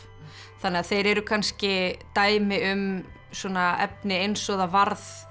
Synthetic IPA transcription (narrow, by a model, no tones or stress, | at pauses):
θanːɛaθejɾɛɾʏkʰanscɪt̪aːjmɪʏm | suɔnaɛp̚nɪejnsɔðavaɾð